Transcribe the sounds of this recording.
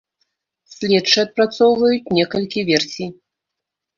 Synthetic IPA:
sʲlʲɛt͡ʂɨɐt̪̚pɾat̪sɔwvɐjut͡sʲnʲɛkɐlʲkʲivʲɛrsʲij

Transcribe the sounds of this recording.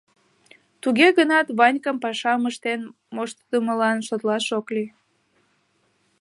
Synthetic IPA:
t̪uɣeɣənɑt̪βɑnʲkəmpɑʃɑməʃt̪en | moʃt̪d̪əməlɑnʃot̪lɑʃokli

